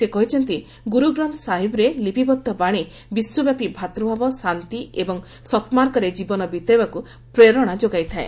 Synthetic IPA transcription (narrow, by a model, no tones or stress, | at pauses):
sekɔɦit͡ʃʰɔnt̪i | ɡuɾuɡɾɔnt̪saɦibɔɾelipibɔd̪ʱːɔbaɽ̃i | biswɔbjapibʱat̪ɾɔbʱabɔsant̪iebɔŋ | sɔt̪maɾkɔɾed͡ʒibɔnɔbit̪ɔjbaku | pɾeɾɔɽ̃ad͡ʒoɡajt̪ʰaḛ